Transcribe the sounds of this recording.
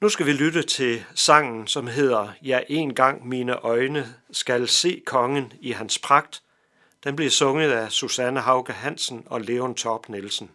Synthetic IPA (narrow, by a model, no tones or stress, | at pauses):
nusɡ̥æʋilydət͡sʰe̝sɑ̈ŋ̰n̩sɒ̽mɦe̝ð̞̰ˠɐjɑɪʔe̝ːnɡ̥ɑ̈ŋ̰miːnəʔɒ̽ɪnəsɡ̥ælse̝̰ːkʰɒ̽ŋən̩iɦænspʰʁɑ̈ɡ̥̚d̥ | d̥enb̥liɐsɔ̽ŋəð̩ˠæsusænəɦɑ̈ʊɡ̥æɦæn̰sn̩ɒ̽le̝ont͡sʰɒb̥ne̝lsn̩